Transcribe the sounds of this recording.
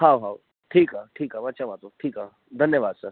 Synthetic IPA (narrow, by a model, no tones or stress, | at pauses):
hawɦaw | ʈʰiːkaʈʰiːkaʋət͡ʃaʋat̪oʈʰiːka | d̪ʱənjəʋaːd̪sa